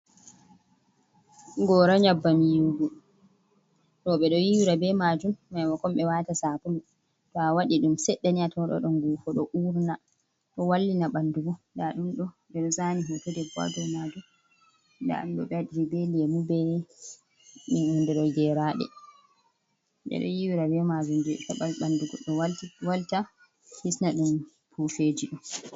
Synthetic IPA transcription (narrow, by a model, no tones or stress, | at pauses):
ŋɡɔɾaɲabːamijuɡu | ɗɔɓɛɗɔjiwɾabɛmad͡ʒumːajmɔkɔmɓɛwaːtasapulu | tɔawaɗiɗumsɛɗːaniatɔɗɔ̰ɗɔŋɡufɔɗɔʔuɾna | ɗɔwalːinaɓandubundaɗumɗɔ | ɓɛɗɔzaniɦɔtɔdɛbɔ̰dɔnadɔ | nda̰umɗɔɓɛdiɾibeliɛmubɛ | minundɛɗɔɡɛɾaɗɛ̰ | ɓɛ̰ɗɔ̰jiwiɾawɛmad͡ʒumd͡ʒɛtaɓalɓanduɡɔɗɔwaltiwalta | hisnaɗum | pʰufed͡ʒiɗum